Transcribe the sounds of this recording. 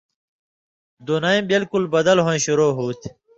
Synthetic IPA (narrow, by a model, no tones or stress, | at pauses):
d̪unaĩːbilkulbɐd̪ɐlɦõĩɕuɾoːɦuːt̪ʰ